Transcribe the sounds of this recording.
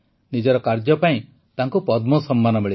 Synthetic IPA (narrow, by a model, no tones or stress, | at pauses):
nid͡ʒɔɾɔkaɾd͡ʒɔpaĩ | t̪aŋkupɔd̪mɔsɔmːanɔmeɭi